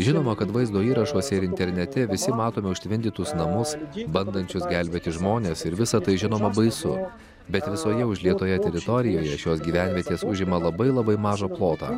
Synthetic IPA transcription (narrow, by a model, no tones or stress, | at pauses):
ʒʲɪnoːmɐkɐt̪ʋɐɪzd̪oːiːɾɐʃoːsʲɛɪɾɪnʲt̪ʲɛɾʲnʲɛt̪ʲɛʋʲɪsʲɪmɑːt̪oːmʲɛʊʃʲt̪ʲʋʲɪnʲd̪ʲɪt̪ʊsnɐmʊsbɐnd̪ɐnʲt͡ʃʲʊsɡʲælʲbʲeːt̪ʲɪʒmoːnʲeːsɪɾʋʲɪsɐt̪ɐɪʒʲɪnoːmɐbɐɪsʊ | bʲɛt̪ʋʲɪsoːjɛʊʒʲlʲiɛt̪oːjɛt̪ʲɛɾʲɪt̪ɔɾʲɪjoːjɛʃʲoːs̬ɡʲiːʋʲænʲʋʲiɛt̪ʲeːsʊʒʲɪmɐlˠɐbɐɪlˠɐbɐɪmɑːʒɐːplˠoːt̪ɑ̰ː